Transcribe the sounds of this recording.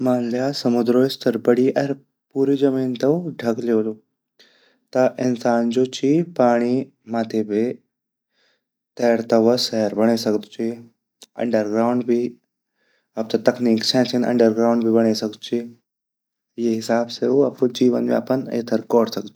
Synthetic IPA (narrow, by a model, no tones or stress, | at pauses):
maːnljaːsɐmʊd̪ɾoːst̪ɐɾbɐɽiʔɐɾ | puːɾid͡ʒɐmiːnt̪ɐɖʱɐkleːlo | t̪ɐʔɪnsaːnd͡ʒot͡ʃipaːɽ̃i | maːt̪ʰebʱi | t̪ɛɦɾt̪ɐʋɐsɛɦɾbɐɳ̃esɐkd̪t͡ʃi | ɐ̰ɳɖəɾɡɾaːʊɳɖbʱi | ɐp̚t̪ɐt̪ɐkniːksɛ̃ːnsɐnɐ̰̃ɳɖəɾɡɾaːʊɳɖbʱibɐɽ̃esɐkd̪t͡ʃʰi | jeɦɪsaːbseuɐpud͡ʒiːʋə̰nmḛɐ̰pɐnḛːt̪ʰɐɾkɔːɽsɐkd̪t͡ʃi̥